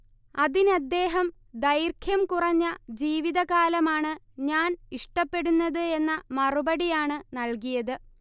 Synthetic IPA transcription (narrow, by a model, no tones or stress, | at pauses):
ɐðinɐd̪ːe̞ːɦɐm | d̪ɐjrkʰjɐmkurɐɲːɐd͡ʑiːʋiðɐɣaːlɐmaːɳɨ | ɲaːniʂʈɐpːe̞ɽunːɐðɨe̞nːɐmɐrubɐɽijaːɳɨnɐlkijɐðɨ